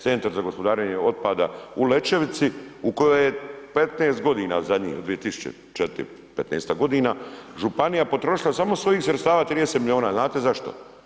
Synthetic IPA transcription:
t̪se̞nt̪aɾzaɡo̞spod̪aːɾeɲeo̞t̪̚paːd̪aule̞t͡ʃe̞ʋit̪siuko̞jojepet̪neːst̪ɡo̞d̪iːna̰zad̪ɲḭːo̰d̪ʋijet̪isu̥t͡ʃḛ | t͡ʃet̪ | pet̪neːst̪aɡo̞d̪iːnaʒupanijapo̞t̪ɾo̞ʃilasamo̞sʋo̞jiːxsɾet̪st̪aːʋaːt̪ɾid̪eset̪milʲio̞ːnaːznaːt̪e̞zaʃt̪o̰

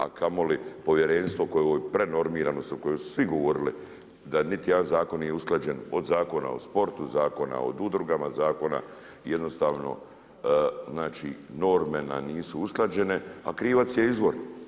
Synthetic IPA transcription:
a̰kʰamo̞lipo̞ʋje̞ɾenst̪ʋokojopɾe̞no̞ɾmiːɾanoskojosu̥sʋiɡoʋo̞ɾili | d̪anit̪ij̪anzaːko̞nːiːjeusklad͡ʑe̞nood̪zaːko̞na̰ospo̞ɾt̪uzaːko̞na̰o̰d̪ud̪ɾuɡamazaːko̞na̰ | jed̪no̞st̪aːʋno̞̰ | znaːt͡ʃino̞ɾmenaniːsuusklˠad͡ʑe̞ne̞a̰kɾiːʋat̪sjeizʋo̞ɾn

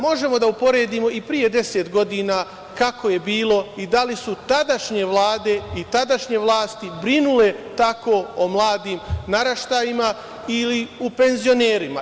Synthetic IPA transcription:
mo̞ʒe̞mo̞d̪aupo̞ɾe̞ːd̪iːmo̞ʔipɾije̞d̪e̞set̪ɡo̞d̪iːnaː | kako̞je̞biːlˠo̞id̪alisut̪ad̪aʃɲe̞ʋlˠaːd̪e̞it̪ad̪aʃɲe̞ʋlˠaːst̪ibɾinule̞t̪ako̞ːomlˠaːd̪iːmnaɾaʃt̪aːjima | iliupe̞nzijo̞neːɾima̰

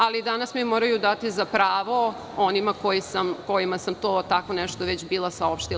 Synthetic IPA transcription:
alid̪anasmimo̞ɾajud̪at̪izapɾaːʋo̞ | onimako̞jisamko̞jimasamt̪oːt̪ako̞nɛʃt̪oʋet͡ɕbiːlˠasao̞pʃt̪i

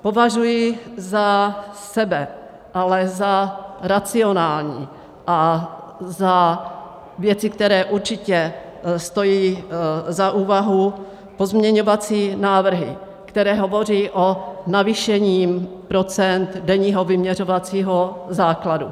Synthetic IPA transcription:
po̞vaʒujɪzasɛbɛ | ʔalɛzaɾat͡sɪonaːlɲiː | ʔa | za | vjɛt͡sɪkt̪ɛɾɛːʔuɾt͡ʃɪcɛ | st̪o̞jiːzaʔuːvaɦu | pozmɲɛɲovat͡siːnaːvr̩ɦɪ̰ | kt̪ɛɾɛːɦovo̞riːʔonaviʃɛɲiːm | pɾot͡sɛnd̪dɛɲiːɦovɪmɲɛrovat͡siːɦozaːkladu

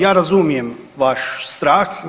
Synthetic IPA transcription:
jaːɾazumijem | ʋaʃst̪ɾaːx

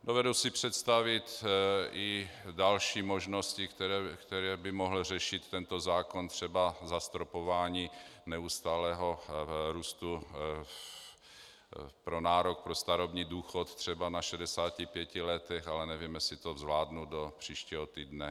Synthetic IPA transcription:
dovɛdusɪpr̝̥ɛt̪st̪avɪt̪ʔɪdalʃiːmoʒnoscɪɛɾɛkt̪ɛɾɛːbɪmoɦl̩rɛʃɪt̪ːɛnt̪ozaːkont̪r̝̥ɛbazast̪ɾopovaːɲiːnɛust̪aːlɛːɦoɾuːst̪u | pɾonaːɾok̚pɾost̪aɾobɲiːduːxot̪t̪r̝̥ɛbanaʃɛdɛsaːcɪpjɛcɪlɛt̪ɛxalɛnɛvimɛsɪt̪ovzvlaːdnudopr̥iːʃciːɦot̪iːdnɛ

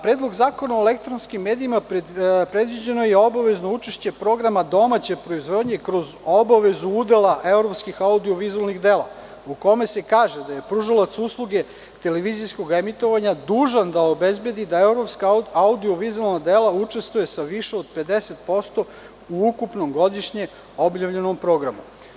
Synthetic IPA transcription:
pɾeːd̪lˠo̞ɡzaːko̞naoelekt̪ɾonskimːe̞ːd̪iimapɾe̞d̪ʋid͡ʑe̞nojeo̞baʋe̞zno̞ut͡ʃeʃt͡ɕepɾo̞ɡɾamad̪o̞mat͡ɕe̞pɾo̞izʋo̞d̪ɲekɾo̞zo̞baʋezuud̪e̞lˠaʔe̞vɾo̞pskixaud̪io̞ʋizualˠniɣd̪e̞ːlˠa | uko̞me̞se̞kaːʒe̞d̪aje̞pɾuʒalˠat̪suslˠuɡe̞ | t̪e̞leʋizijsko̞ɡemit̪o̞ʋaɲad̪uːʒand̪aobe̞zbje̞d̪id̪aeɾopskaaud̪io̞ʋizualˠnad̪e̞ːlˠaut͡ʂe̞st̪ʋuje̞saʋiʃeod̪̚pe̞d̪e̞set̪̚po̞st̪o̞ | uukupno̞mɡo̞d̪iʃɲe | o̞bjaʋʎe̞no̞mpɾo̞ɡɾamu

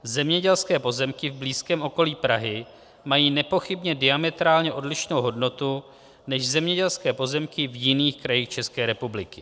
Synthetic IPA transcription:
zɛmɲɛɟɛlskɛːpo̞zɛmkɪvbliːskɛːmʔo̞ko̞liːpɾaɦɪ | majiːnɛpo̞xɪbɲɛdɪamɛt̪ɾaːlɲɛʔo̞dlɪʃno̞wɦo̞dno̞t̪u | nɛʃzɛmɲɛɟɛlskɛːpo̞zɛmkɪvjɪniːxkɾajiːxt͡ʃɛskɛːɾɛpublɪkɪ

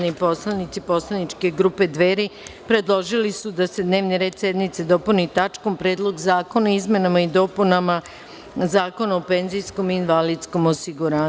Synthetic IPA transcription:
nipo̞slanit̪sipo̞slanit͡ʃke̞ɡɾuːpe̞d̪ʋe̞ːɾipɾe̞d̪lˠo̞ʒilisud̪ase̞d̪ne̞ːʋniɾe̞ːd̪sje̞d̪mit̪se̞d̪o̞punit̪at͡ʃko̞mpɾeːd̪lˠo̞ɡzaːko̞naizme̞namaid̪o̞punama | zaːko̞naope̞nzijsko̞miːnʋalidt̪sko̞mosiɡuɾaː

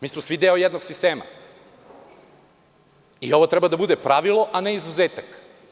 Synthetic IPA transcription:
miːsmosʋid̪eojɛd̪noɡsist̪eːma̰ | io̞ʋot̪ɾɛbad̪abud̪epɾaʋilˠoʔaneizuzeːt̪ak

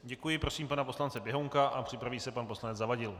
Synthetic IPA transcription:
ɟɛkujɪpɾo̞siːmpanapo̞slant͡sɛbjɛɦoŋkaʔapr̝̥ɪpɾaviːsɛpanposlanɛtd͡zzavaɟɪl

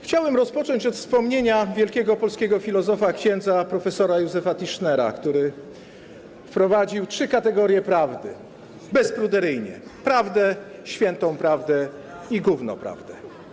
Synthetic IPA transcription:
xt͡ɕawɛmɾɔspɔt͡ʂɔɲt͡ɕɔt̪fspɔmɲeɲavʲjɛlkʲɛɡɔpɔlskʲeɡɔfʲilɔzɔfakɕɛnd̪zapɾɔfɛsɔɾajuzɛfat̪iʂnɛɾa̰kt̪uɾɘ | fpɾɔvad͡ʑiwtʂɘkat̪ɛɡɔɾjɛpɾavd̪ɘ̰ | bɛspɾud̪ɛɾɘjɲɛ̰pɾavd̪ɛ | ɕfʲjɛnt̪ɔ̃w̃pɾavd̪ɛ | iɡuvnɔ̰pɾa̰vd̪ɛ

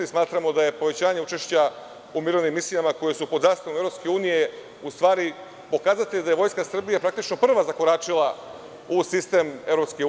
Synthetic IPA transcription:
ismaːt̪ɾamo̞d̪aje̞po̞ʋet͡ɕaːɲe̞ut͡ʃe̞ʃt͡ɕa | umiːɾoʋnimːislijamako̞je̞supod̪zaːst̪aʋomeɾo̞pskeuːnije | ust̪ʋaːɾi | po̞kaːzat̪eʎd̪aje̞ʋo̞jskasr̩bijapɾak̚t̪it͡ʃno̞pr̩ʋazakoɾaːt͡ʃilˠa | usist̪e̞me̞vɾopske

